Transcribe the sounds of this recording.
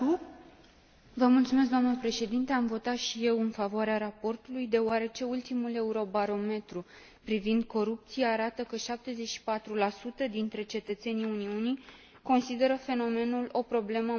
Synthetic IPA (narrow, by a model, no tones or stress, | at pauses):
vəmult̪sume̞s̬k̚d̪oamnəpɾe̞ʃe̞d̪int̪e̞amvo̞t̪at̪ʃije̞wɨnfavoaɾeaɾapo̞rt̪ulujd̪e̞oaɾe̞t͡ʃe̞ult̪imule̞uɾo̞baɾo̞me̞t̪ɾu | pɾivind̪̚ko̞ɾup̚t̪sijeaɾat̪əkəʃap̚t̪e̞ze̞t͡ʃʃi̥pat̪ɾulasut̪əd̪int̪ɾe̞t͡ʃe̞t̪ət̪se̞niuniuni | ko̞nsid̪e̞ɾəfe̞no̞me̞nulo̞pɾo̞ble̞mə